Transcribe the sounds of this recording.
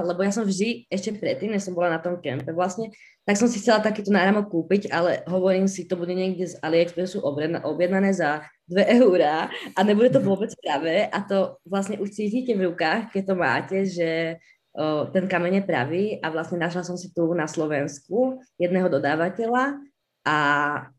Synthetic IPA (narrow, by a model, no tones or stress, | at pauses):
lɛbɔjasɔmvʒd̪iɛʃcɛpɾɛt̪ːiːmɲɛʃsɔmbɔlanat̪ɔmkɛmpɛʋlasɲɛ | t̪aksɔmsixt͡sɛlat̪akiːt̪ɔnaːɾamɔk̚kːuːpiɟalɛɦɔʋɔɾiːmsit̪ɔbuɟɛɲɪɛɡɟɛzaliɛkt̪ɔɾɛːsuːʔɔbʔɔbjɛd̪nanɛːza | d̪ʋɛʔɛuɾaːʔaɲɛbuɟɛt̪̬ɔʋʊɔbɛt͡spɾaʋɛːʔat̪ɔʋlasɲɛʔuʃt͡siːciːcɛvɾukaːxkɛc̚t̪ɔma̰ːcɛʒɛ | t̪ɛnkamɛɲɛpɾa̰ʋiːʔaʋlasɲɛnaʃlasɔmsit̪unaslɔʋɛnskujɛd̪nɛːɦɔd̪ɔd̪aːʋacɛla | ʔa